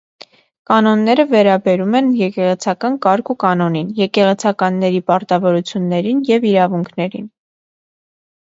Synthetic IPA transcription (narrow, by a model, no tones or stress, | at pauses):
kɑnɔnːɛɾəvɛɾɑbɛɾumɛnjɛkɛʁɛt͡sʰɑkɑnkɑɾkukɑnɔninjɛkɛʁɛt͡sʰɑkɑnːɛɾipɑɾt̪ɑvɔɾut͡sʰjunːɛɾinjɛviɾɑvuŋkʰnɛɾḭn